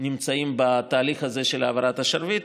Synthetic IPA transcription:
nimt͡saimbat̪aːliχhɐze̞ʃelaːvaɾat̪ɐʃaɾvit̪

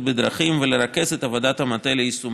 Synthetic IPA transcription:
tbed̪ɾaχimveleɾake̞zet̪avod̪at̪hamat̪eleisum

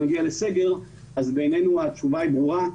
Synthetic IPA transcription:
aɡialeseɡe̞ʁ | azbe̞jne̞nuat͡ʃuvaibʁuʁa

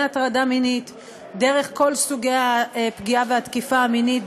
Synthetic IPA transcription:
at̪ʁadaminit̪ | de̞ʁe̞χko̞lsuɡejapɡiaveat̪kifaːminit̚

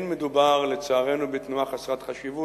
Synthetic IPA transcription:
nmed̪ubaʁlet͡saːʁe̞nubet̪nuaχasʁat̪χaʃivu

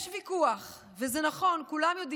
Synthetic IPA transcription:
ʃvikuaχ | vezenaχo̞nkulamjo̞di

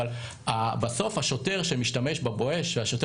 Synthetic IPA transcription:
l | abaso̞fhaʃo̞te̞ʁʃemiʃtameʃbaboeʃveaʃote

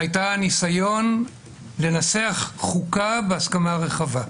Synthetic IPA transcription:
ajtanisajo̞n | le̞naseaχːukabeaskamaʁe̞χava

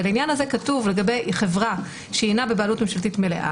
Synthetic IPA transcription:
lainjanhaze̞katuvle̞ɡabejχevʁa | ʃeinabebaːlutmemʃaltitme̞lḛʔa̰

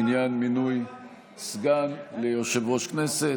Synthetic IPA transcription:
njanminuj | sɡanlejoʃevʁoʃknese

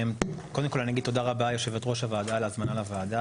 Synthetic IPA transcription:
mko̞d̪emkolaniaɡid̚t̪ːo̞d̪aʁabajo̞ʃe̞vet̪ʁo̞ʃhavaːd̪alazmanalavaːd̪a

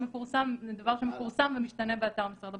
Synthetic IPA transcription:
məfuʁsamd̪avaʁʃəməfuʁsamvəmiʃt̪anɛbəat̪aʁməsaʁd̪a

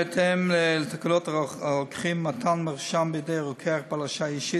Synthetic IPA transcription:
ɛt̪ʰɛmlt̪akalotʁokχimːat̪ʰanmaʁʃambəjdejʁokʰeaχpalaʃajiʃi

